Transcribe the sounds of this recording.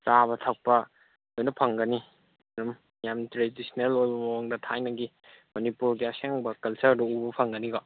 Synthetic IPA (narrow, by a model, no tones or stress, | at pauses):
saβɐtʰɐk̚pɐ | ojnɐpʰɐŋɡɐni | ɐɾum | jamtɾedisnelojbɐmɐwɔŋdɐtʰajnɐɡi | mɐnipuɾɡiɐseŋbɐkɐlsɐɾdɐubɐpʰɐŋɡɐniɡɔ